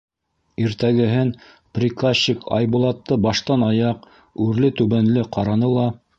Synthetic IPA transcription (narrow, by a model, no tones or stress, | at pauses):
iɾt̪æɡɘ̆ɦɘn | prʲikaɕːikʰɑ̰jbulˠɑt̪ːɤbɑʃt̪ɑnɑjɑq | ʉɾlɘt̪ʉβænlɘqɑɾɑnɤlˠɑ